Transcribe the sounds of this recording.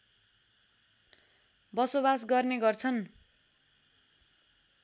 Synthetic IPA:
bʌsobas̬ɡʌrneɡʌrt͡sʰʌn

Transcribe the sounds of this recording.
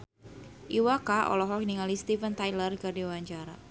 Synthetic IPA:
ʔiwakaʔɔ̰lɔɦɔkniŋalist̪ifənt̪ajlərkɨrdiwaɲt͡ʃaɾa̰

